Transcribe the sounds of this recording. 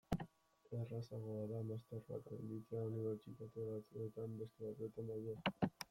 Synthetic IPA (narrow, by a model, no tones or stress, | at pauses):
erasaɣoaðamast̪eɾβa̰k̪end̪it̪eauniβe̞ɾt͡ʃit̪at̪uoɾat͡s̪uet̪ambesk̪eβat̪uet̪end̪ajðe